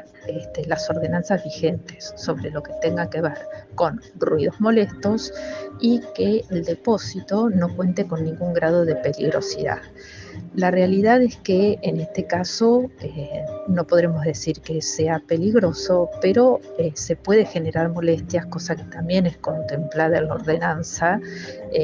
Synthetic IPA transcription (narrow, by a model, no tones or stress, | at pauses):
est̪elaso̞ɾð̞e̞nansazβixe̞nt̪esːo̞βɾelo̞ke̞t̪e̞ŋɡake̞βeɾko̞nrwið̞o̞zmo̞le̞st̪o̞sikeːld̪e̞po̞sit̪o̞no̞kwe̞nt̪eko̞nːĩŋɡuŋɡɾað̞o̞ðe̞pe̞lḭɣɾo̞̰sḭða̰ð | larealiðaðeskeːnest̪ekaso̞enopoðɾemo̞zðe̞siɾkeseape̞liɣɾo̞so̞peɾo̞ese̞pwe̞ðe̞xe̞ne̞ɾaɾmo̞le̞st̪jako̞sake̥t̪ambje̞nesko̞nt̪e̞mplaðaelao̰ɾðe̞nansa